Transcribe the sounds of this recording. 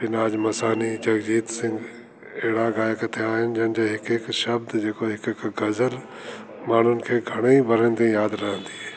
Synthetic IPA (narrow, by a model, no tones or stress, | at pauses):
bɪnaːd͡ʒmɐsaːnid͡ʒɐɡd͡ʑiːt̪sɪ̃ŋɡ | ɛɦɪɽaɡaːjəkt̪ʰeaːɦɪnɪ̆d͡ʒɐnɪd͡ʑeːɦɪkɦɪkʃɐb̚d̪d͡ʒeːkoɦɪkkɡɐzəl | maːɳ̤ʊnɪ̆kʰeːɡʱɐɽ̃eibʱɐɾənt̪ẽjaːd̪ɾɐɦə̃nd̪iːɛː